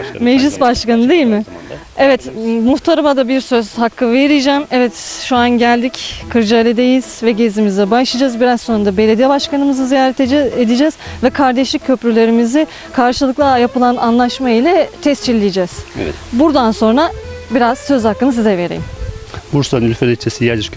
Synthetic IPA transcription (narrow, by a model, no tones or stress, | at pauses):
mɛʒlʲisbaʃkanɯd̪ejilʲmɪ | ɛvɛt̪muht̪ʰaɾamad̪abiɾsøz̥hakʰːɯve̞ɾid͡ʒɛmɛvɛt̪ʃuanɟælʲd̪ickʰɯɾd͡ʒaːlʲid̪ejiz̥vɛɟezimizɛbaʃlˠad͡ʒazbiɾazsonund̪abe̞lʲe̞d̪ijɛbaʃkanɯmɯzɯzijaːɾɛt̪ed̪id͡ʒɛz̥vɛkʰaɾd̪ɛʃlʲic̚cʰːø̞pɾylʲe̞ɾimizɪ | kʰaɾʃɯlˠɯklˠajapɯlˠana̰nlˠaʃmajilʲɛt̪ʰɛst͡ʃʰilʲːijd͡ʒɛːz̥̰buɾd̪anso̞nɾabiɾaz̥sø̞zhakːɯnɯsizɛve̞ɾḛimbuɾsanylʲfelʲɛt͡ʃʰːesijad͡ʒiɾk